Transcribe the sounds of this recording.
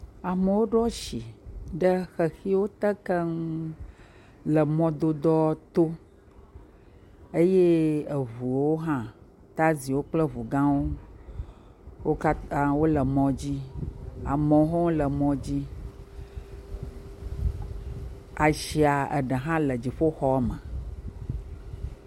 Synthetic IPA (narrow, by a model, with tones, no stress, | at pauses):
a˨mə˨wo˦ɖɔ˦ʃi˨ɖə˦xə˨xi˦wo˦t̪ə˦kə˦ŋ | lə˨mɔ̃˦d̪o˦d̪ɔ˦t̪o˦ | e˦je˦ə˨vu˨wo˦ɦã˦ | t̪a˦zi˨wo˦k͡plə˦vu˨ɡã˦wo˦ | wo˦ka˦a˦wo˦lə˨mɔ̃˨d͡ʑi˦a˨mɔ̃˨˦ɦɔ̃˦wo˦lə˨mɔ̃˨d͡ʑi˦ | a˨ʃi˨a˨ə̰˨ɖə˨ɦã˦lə˨d͡ʑi˨ɸo˦xɔ˦a˦mə˨